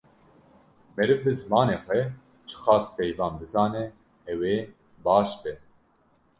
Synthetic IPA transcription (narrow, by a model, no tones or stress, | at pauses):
mɛɾɨvbɨzɨmɑːneːxʷɛ | t͡ʃʰɨ̥xɑːspɛjvɑːnbɨzɑːnɛ | ɛweː | bɑːʃbɛ